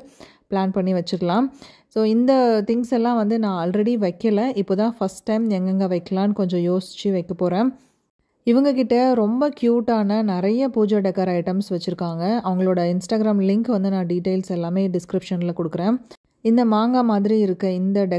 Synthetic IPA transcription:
pɭaːnpɐɳːiʋɐt͡ʃːɪɾɐlãː | soːɪnd̪ɐt̪ɪŋsɛlːãːʋɐnd̪ɯnãːaːlɾɛɽiʋɐɪkːɐlɐʔɪpːoːt̪ãːfɐsʈːɐɪmɛŋɡɐŋɡɐʋɐɪkːɐlaːnɯkɔɲd͡ʒɔ̃joːsɪt͡ʃːɯʋɐɪkːɐpoːɾẽː | ɪʋɐŋɡɐkɪʈːɐɾɔmbɐkjuːʈːaːnɐnɪɾɐjɐpuːd͡ʒaːɖɛkːaɾɐɪʈɐmsʋɐt͡ʃːɪɾɯkːaːŋɡɐɐʋɐŋɡɐɭoːɽɐɪnsʈaːɡɪɾaːmlɪŋkʋɐnd̪ɯnãːɖiːʈːɐɪlsɛlːaːmeːɖɪskɾɪpʂɐnlɐkɔɽɯkːɾẽː | ɪnd̪ɐmaːŋɡamaːðɪɾiɪɾɯkːɐɪnd̪ɐɖɛ

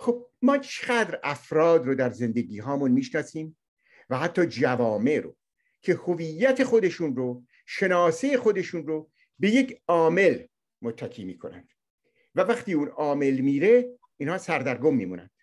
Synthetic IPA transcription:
χob̥̚mɒːt͡ʃʰeɡæːd̪ɾæfɾɒːd̪rod̪æɾze̞nd̪e̞ɡiːɦɒːmunmiːʃnɒːsiːm | væhæt̪ʰːɒːd͡ʒævɒːme̞ɾo̰ | cʰe̞ho̞vijːæt̪ʰe̞xo̞d̪e̞ʃunro | ʃe̞nɒːsejexo̞d̪e̞ʃunro | be̞je̞cɒːme̞l | mot̪ʰːækʰḭːmḭːkʰo̞næ̰nd̪̥ | vævæχt̪iːuːnɒːme̞lmiːɾe̞ | iːnhɒːsæɾd̪æɾɡomːḭːmṵnæ̰nd̪̥

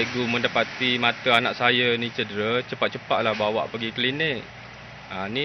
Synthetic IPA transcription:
əɡuməndapat̪imat̪əanaʔsajanĩt͡ʃədəɾət͡ʃəpat̪̚t͡ʃəpat̪̚lahbawa̰ʔpəɡikəlinɪk̚ | ani

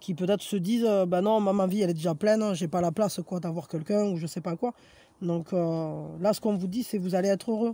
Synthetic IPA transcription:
kʲipøt̪ɛt̪χə̥səd̪izøbanɔ̃mãmaviɛlɛd̪eʒaplɛnʒɛpalaplaskwad̪avwaʁkʲɛlkʲɛ̃uʒəsɛpakwa | d̪ɔ̃kʰølasə̥kɔ̃vud̪isɛvuzaleɛt̪χøʁø

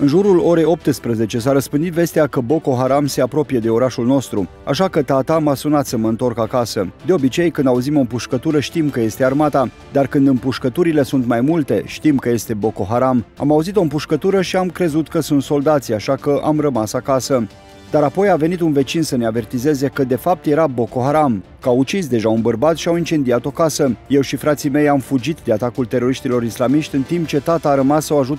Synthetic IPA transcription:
ɨnʒuɾulo̞ɾe̞jo̞p̚t̪ɨspɾəze̞t͡ʃe̞s̬aɾəspɨnd̪it̪ve̞st̪eakəbo̞ko̞ɦaɾamse̞apɾo̞pije̞d̪e̞o̞ɾaʃulno̞st̪ɾu | a̰ʃakət̪at̪amasunat̪səməɨnt̪o̞rkakasəd̪e̞o̞bit͡ʃe̞jkɨnd̪auzimo̞mpuʃkət̪uɾəʃt̪imkəje̞st̪e̞armat̪a | d̪arkɨnd̪ɨmpuʃkət̪uɾile̞sunt̪majmult̪e̞ʃt̪imkəje̞st̪e̞bo̞ko̞ɦaɾama̰mauzit̪o̞ɨmpuʃkət̪uɾəʃiamkɾe̞zut̪kəsunt̪so̞ld̪at̪siaʃakəʔa̰mrəmasakasə | d̪aɾapo̞jave̞nit̪unve̞t͡ʃinsəne̞ave̞rt̪ize̞ze̞kəd̪e̞fap̚t̪je̞ɾabo̞ko̞ɦaɾamkəawut͡ʃisd̪e̞ʒaunbərbat̪ʃiawint͡ʃe̞nd̪iat̪o̞kasəje̞wʃifɾat̪sijme̞jamfud͡ʒit̪d̪e̞at̪akult̪e̞ɾo̞ɾiʃt̪ilo̞ɾislamiʃt̪ʲɨnt̪imp̚t͡ʃe̞t̪at̪aːɾəmasawaʒut̪

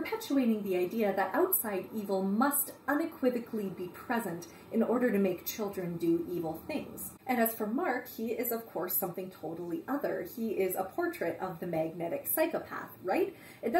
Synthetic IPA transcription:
pʰə˞pʰɛt͡ʃueɪɾɪ̃ŋðiaɪdiɨðɨɾʔaʊtsaɪɾivl̩ˠmʌstʌ̃nɨkʰw̥ɪvɨkʰlibipʰɹ̥ɛzɨ̃nt | ɨ̃nɔɹɾə˞ɾɨmeɪk̚t͡ʃʰɪlˠdɹɨ̃ndɨʔivl̩ˠθɪ̃ŋz̥ | ʔɨ̃nɨz̥fə˞mɑɹkhiɪzʌv̥kʰɔɹsʌ̃mθɪ̃ŋtʰoʊɾl̩ˠiʔʌðə˞iɪzə̰pʰɔɹt͡ʃʰɹ̥ɨɾʌvðɨmæɡ̚nɛɾɨksaɪkəpʰæ̰θɹaɪt | ɨt̚d

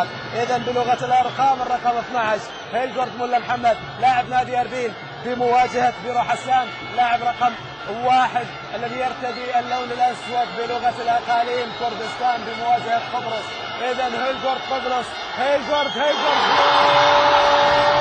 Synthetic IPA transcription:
ʔəðænbəlʊɣat̪əlʔɑɾˤqɑmərˤːɑqɑməθnaʕaʃ | hæjəlʒʊɾˤd̪mʊlːæmħamːæd̪̚ | laʕəbnæd̪ijæɾˤbin | bimʊwæd͡ʒahat̪biɾuħasːæn | laʕəbɾˤɑqɑm | waħəd̪ | ʔəlːæðijɑɾt̪ad̪iʔəlːuwnəlʔæswæt̪bəlʊɣat̪lʔɑqɑlimkʊɾd̪əst̪ænbəmʊwæd͡ʒahat̪q̪obɾos | ʔəðænhæjlʒʊɾˤd̪̚q̪obɾos | hæjlʒʊɾˤd̪hijlʒʊɾˤd̪mʊ

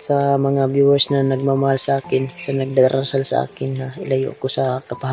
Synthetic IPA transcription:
sɐmɐŋabjuwasnɐnɐɡ̚mamɐhalsɐʔaːkɪnsɐnɐɡ̚d̪aɾʔansalsɐ̰ʔa̰ːkɪnhaʔɪlɐjo̰ʔkosɐkɐpaɦa

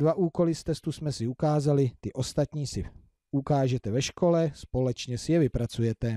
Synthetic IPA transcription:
vaʔuːko̞lɪst̪ɛst̪usmɛsɪukaːzalɪt̪ɪʔo̞st̪at̪ɲiːsɪ | ʔukaːʒɛt̪ɛvɛʃkʰo̞lɛspo̞lɛt͡ʃɲɛsɪjɛvɪpɾat͡sujɛt̪ɛ

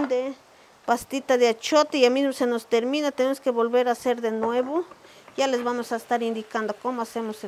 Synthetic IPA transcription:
nd̪e | past̪it̪aðeat͡ʃot̪eʝamizmosenost̪eɾminat̪enemoskeβolβeɾaseɾðenweβo | ʝalezβamosaest̪aɾind̪ikand̪okomoasemose

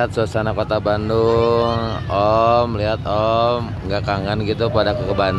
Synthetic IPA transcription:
at̪̚suasanakot̪abandʊŋ | ɔmliɦat̪ɔm | ŋɡakaŋanɡit̪upadakukəban

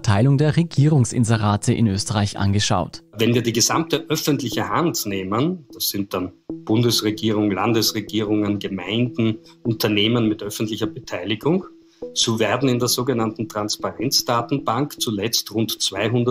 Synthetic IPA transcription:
tʰaɪlʊŋdeːɐʁeɡiːʁ̞ʊŋsʔɪ̰nzəʁaːtʰəʔɪ̰nʔøːstəʁaɪçʔa̰nɡəʃa̰ʊtvɛnviːɐdiːɡəzamtəʔœfəntlɪçəhantneːmənd̥asz̥ɪnt̚d̥an | b̥ʊndəsʁeɡiːʁ̞ʊŋla̰ndəsʁeɡiːʁʊŋənɡəma̰ɪndn̩ | ʔʊntɐneːmənmɪtʔœfn̩tlɪçɐbətʰaɪlɪɡʊŋ | z̥oːveɐdn̩ɪndeːɐzoːɡənantn̩tʁ̥anspaʁɛnt͡sd̥aːtn̩baŋkt͡sulɛt͡stʁʊntt͡sv̥aɪɦʊndə

